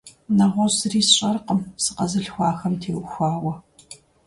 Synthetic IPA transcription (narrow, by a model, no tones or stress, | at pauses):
nɐʁʷɔsɨriːsɕʼɐrqəmsɨqɐzɨɬxʷɑːxɐmtʰeːwxʷaːwɐ